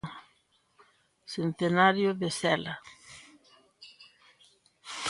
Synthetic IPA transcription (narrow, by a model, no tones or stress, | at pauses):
sent̪enaɾjoðesɛla